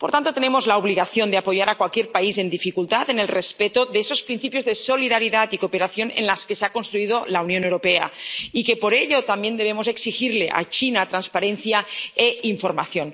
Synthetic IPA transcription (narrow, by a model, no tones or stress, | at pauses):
poɾt̪ant̪ot̪e̞nemo̞zlaoβ̞liɣaθjo̞nd̪eapo̞ʝaɾakwalkjeɾpaise̞nd̪ifikult̪at̪e̞ne̞lrespet̪oðeso̞spɾin̟θipjo̞zðe̞soliðaɾiðat̪ikope̞ɾaθjonḛnlaske̞seako̞nst̪ɾuið̞o̞launjonewɾo̞peaike̞po̞ɾe̞ʎo̞t̪ambje̞nd̪e̞β̞e̞mose̞ksixiɾle̞ʔa̰t͡ʃinat̪ɾanspaɾe̞nθjaeiɱfo̞ɾma̰θjo̞n